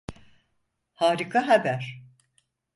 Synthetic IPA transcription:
haːɾikʰaɦabæɾ̥

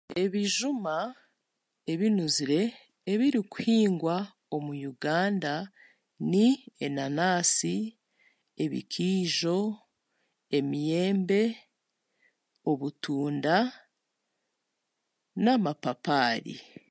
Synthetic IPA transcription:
e̞βiʒuma | e̞βinuziɾe̞ː | βiɾiku̥hiːŋɡwa | o̞mujuɡaːnda | nienanaːsi | eβḭkʰiːʒo̞ | e̞mije̞ːmbe̞ | o̞βutuːnda | namapapaːɾḭ

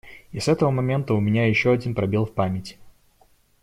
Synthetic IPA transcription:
isɛt̪əvəmɐmʲe̞nt̪əʊmʲɪnʲajɪɕːoɐdʲinpɾɐbʲilˠfpamʲɪtʲɪ

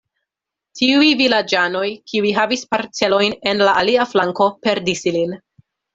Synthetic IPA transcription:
tʰiujvilad͡ʒano̞jkiujɦavispaɾt͡se̞lo̞jne̞nlaʔaliaflaŋko̞pe̞ɾdisilin

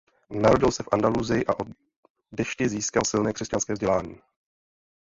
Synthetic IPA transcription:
naɾo̞ɟɪlsɛfʔandaluzɪjɪʔaʔo | dɛʃcɪziːskalsɪlnɛːkr̥ɛscanskɛːvzɟɛlaːɲḭː

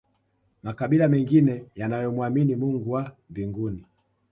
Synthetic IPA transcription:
makaɓilamɛŋɡinɛjanajɔmwaminimuŋɡuwambiŋɡuni

